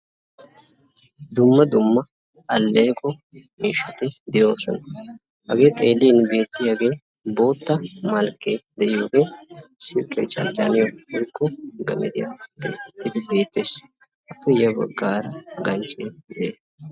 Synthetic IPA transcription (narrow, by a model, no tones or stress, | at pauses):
d̪ʊmːɐd̪ʊmːɐ | ɐlːe̞ːkɔmiːʃɐt̪ɪd̪ɪjo̞ːsɔnɐ | ʔɐɡeːt̪ʼe̞ːlːiːnbe̞ːt̪ːɪɐɡeː | bo̞ːt̪ːɐmɐlkʼːeːd̪ɛʔjoːɡeːsɪkʼːeːt͡ʃɐ̰nd͡ʒaːnɪjoɛɾkːɔɡɐ̰mɛd̪ɪjɐ̰ɡḛːɛt̪ːɪd̪ɪbe̞ːt̪ːeːs | ʔɐpːɪjɐbɐ̰ɡːaːɾɐɡɐnt͡ʃʼeːd̪ɛʔeː